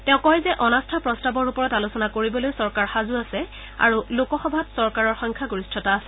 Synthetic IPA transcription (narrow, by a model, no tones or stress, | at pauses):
tɛ̃ʊ̃kɔjzɛʔɔnastʰapɹɔstabɔɹupɔɹɔtalusɔnakoɹibɔlojsɔɹkaɹxazuasɛ | a̰ɹulokɔxɔbʱatsɔɹkaɹɔɹxɔŋkʰaɡuɹistʰɔtaːsɛ̥